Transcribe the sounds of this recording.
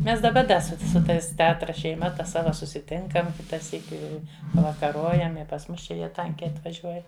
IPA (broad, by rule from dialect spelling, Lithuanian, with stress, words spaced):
ˈmʲɛs dɐˈbɐ ˈdɐ ˈsʊ sʊ ˈtɐɪs tʲɛˈɑːtrɐ ʃʲɛɪˈmɐ ˈtɐ ˈsɑːʋɐ sʊsʲɪˈtʲɪŋkɐm ˈkʲɪtɐ ˈsʲiːkʲɪ ɪ pɐʋɐkɐˈroːjɛm ɪ pɐs ˈmʊs ˈt͡ʃʲɛ ˈjiɛ ˈtɐŋʲkʲɛɪ ɐtʋɐˈʒʲuɔjɛ